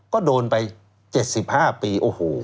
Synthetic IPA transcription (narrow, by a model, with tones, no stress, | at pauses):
kɔː˥˩doː˧npa˧j | t͡ɕe˨˩t̪̚si˨˩p̚haː˥˩piː˧ʔoː˧hoː˩˦